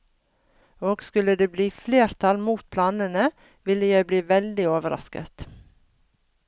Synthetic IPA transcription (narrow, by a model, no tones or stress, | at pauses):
oːɡskʉləd̪eːbliːfleːɾt̪ʰɑlmuːt̪̚pʰlɑːnənə | ʋɪləjæɪbliːʋɛld̪ɪoːʋəɾɑ̰skə̰t̪